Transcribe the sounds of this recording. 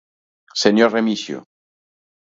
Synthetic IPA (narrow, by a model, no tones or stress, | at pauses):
seɲoremisjo̰